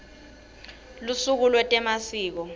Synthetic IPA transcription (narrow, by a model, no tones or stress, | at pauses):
lusuk̬ulwɛtʼɛmasiːk̬ɔ